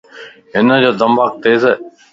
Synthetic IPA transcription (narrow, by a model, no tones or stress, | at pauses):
ɦɪnəd͡ʑoːd̪əmbʱaːk̚t̪eːz